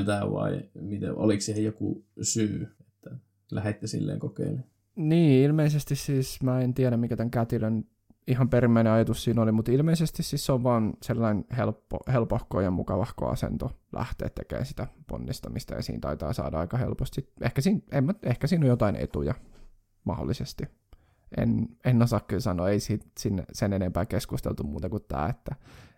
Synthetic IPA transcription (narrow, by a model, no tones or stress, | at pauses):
t̪æʋɑ̰imit̪ḛo̰likssihejjokṵsyːet̪ːæ | læhet̪ːesḭlːḛːŋkokḛːne | niːilmeisest̪issiːsmæːent̪iæɾæmmikæt̪æŋkæt̪iløn | ihɑmperimːæineɑjɑt̪ussiːnolimut̪ilmeisest̪ississeoʋʋɑːnselːɑinhelpːo̰helpohkoːjɑmmṵkɑʋɑhko̰ɑ̰sḛnt̪olæ̰ht̪ḛːt̪t̪ḛkḛːnsit̪æpo̰nːist̪ɑmist̪ɑjɑ̰sḭːnt̪ɑit̪ɑ̰ːsɑ̰ːdɑɑikɑhḛlpost̪sit̪ʔehkæsiːnemːæehkæsiːnojot̪ɑinḛt̪ujɑ | mɑho̰lːisest̪i | ʔḛnenːosɑkːyːnsɑnːˑo̰ːeisisinːḛsenenempæːkeskust̪ḛlt̪ummuːt̪ɑŋkut̪t̪ːæ̰ːet̪ːæ